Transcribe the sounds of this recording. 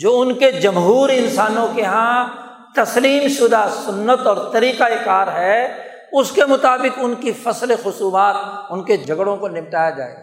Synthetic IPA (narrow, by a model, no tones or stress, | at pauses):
d͡ʒoːʊnked͡ʒɐmɦuːɾɪnsaːnõkeɦã | t̪ɐsliːmʃʊd̪asʊnːət̪ɔːɾt̪ɐɾiːqaekaːɾɦɛ | ʊskemʊt̪aːbɪkʊnkifɐslexʊsuːmaːt̪ʊnked͡ʒʱɐɡɽõkonɪmʈaːjad͡ʒa̰ːḛːɡa